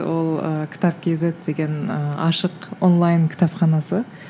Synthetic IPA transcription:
wo̞lˠə̰kʲʰɪ̥t̪ɑp̚kʲʰezet̪d̪e̞ɡʲe̞nəɑ̰ʃəqonlˠɑjnkʲɪ̥t̪ɑpχɑnɑsə

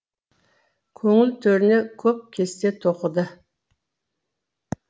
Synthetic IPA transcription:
kʲʰɵŋɪlt̪ʰɵɾɪnekʲʰɵp̚kʲʰe̞st̪e̞t̪ʰoqəd̪ə

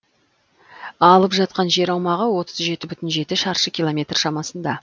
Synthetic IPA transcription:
ɑlˠəpʒɑt̪̚qɑnʒe̞ɾɑwmɑʁəwo̞t̪əzʒe̞t̪ɪbʏt̪ɪnʒe̞t̪ɪʃɑɾʃəkʲilˠomʲe̞t̪rʃɑmɑsənd̪ɑ

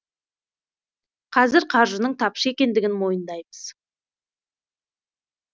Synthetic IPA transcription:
qʰɑzɪɾqʰɑɾʒənəɴt̪ʰɑpʃəe̞kʲe̞nd̪ɪɡʲɪnmo̞jənd̪ɑjbəz̥

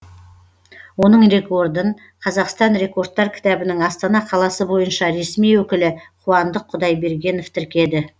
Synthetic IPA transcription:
wo̞nəɴɾe̞ko̞ɾd̪əɴ | qʰɑzɑqst̪ɑnɾe̞ko̞rd̪ːɑɾkʲʰɪ̥t̪æbɪnɪŋɑst̪ɑnɑqʰɑlˠɑsəbo̞jənʃɑɾe̞smijwɵkʲɪlɪqʰuɑnd̪əqʰːʊd̪ɑjbe̞ɾɡʲe̞no̞ft̪ʰɪɾkʲe̞d̪ɪ

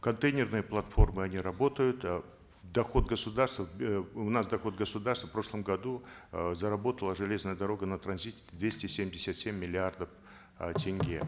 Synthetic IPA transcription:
kɐnt̪ejnʲɪrnɨjəplˠɐt̪fo̞rmɨɐnʲiɾɐbo̞t̪əjʊt̪ | d̪ɐxo̞t̪̚ɡəsʊd̪arst̪vəʊnasd̪ɐxo̞t̪ɡəsʊd̪arst̪və̥fpɾo̞ʂlˠəmɡɐd̪uzɐɾɐbo̞t̪əlˠəʐɨlʲe̞znəjəd̪ɐɾo̞ɡənɐt̪ɾɐnzʲitʲɪ̥t̪ʲd̪vʲesʲtʲɪsʲemʲdʲɪsʲat̪sʲemʲːɪlʲɪard̪əf | tʲɪŋʲɡʲe

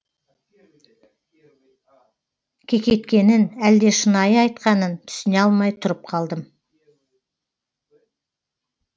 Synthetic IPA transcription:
kʲʰe̞kʲe̞t̪kʲe̞nɪnæld̪e̞ʃənɑjəɑjt̪̚qɑnənt̪ʰʏ̥sɪne̞ɑlˠmɑjt̪ʰʊɾəp̚qʰɑlˠd̪əm

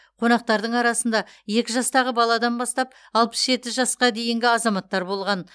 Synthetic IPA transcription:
qʰo̞nɑq̚t̪ɑɾd̪əɴɑɾɑsənd̪ɑje̞kʲɪʒɑst̪ɑʁəbɑlˠɑd̪ɑnbɑst̪ɑp̚ | ɑlˠpə̥sʒe̞t̪ɪʒɑsqɑd̪e̞jɪŋɡʲɪɑzɑmɑt̪ːɑɾbo̞lˠʁɑn

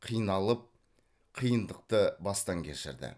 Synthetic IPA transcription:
qʰijnɑlˠəp̚ | qʰijənd̪əq̚t̪əbɑst̪ɑŋkʲʰeʃɪ̰ɾd̪ɪ̰

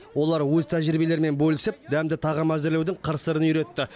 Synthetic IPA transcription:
wo̞lˠɑɾwɵzt̪ʰæʒɾibe̞le̞ɾme̞nbɵlɪsɪp̚d̪æmd̪ɪt̪ʰɑʁəmæzɪɾlewd̪ɪɴqʰəɾsəɾənjɾe̞t̪ːɪ

